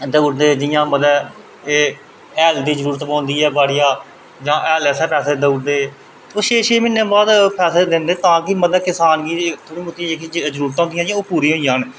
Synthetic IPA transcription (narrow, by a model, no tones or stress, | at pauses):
d̪əɽd̪eːd͡ʒɪjãːməd̪ɛː | eː | ɛːld̪iːzəɾuːɾət̪pãːnd̪iːɛːbaːɽɪjãː | d͡ʒãːʔɛːlɛːsɛːpɛːseːd̪əuɽd̪eː | oːʃeːʃeːmɪnːẽːbaːd̪pʰɛːseːd̪ɪnd̪eːt̪ãːkɪməd̪ɛːkɪsaːnɡiːt̪ʰoːɽiːmʊt̪ieːkizəɾuːɾət̪ãːɦnd̪ijãːd͡ʒɪãːoːpuːɾĩːɦoːijãːnː